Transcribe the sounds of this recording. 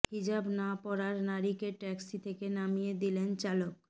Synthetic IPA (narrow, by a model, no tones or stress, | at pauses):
hid͡ʑabnapɔɽaɾnaɾikeʈɛksit̪ʰekenamijed̪ilent͡ɕalok